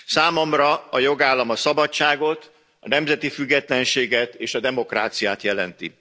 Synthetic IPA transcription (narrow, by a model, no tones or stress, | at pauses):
saːmo̞mrɒɒjo̞ɡaːlːɒmɒsɒbɒt͡ʃːaːɡo̞t̪ | ɒ̰nɛmzɛt̪ifyɡːɛt̪lɛnʃeːɡɛt̪eːʃɒd̪ɛmo̞kra̰ːt̪sijaːt̪jɛlɛ̰nt̪ḭ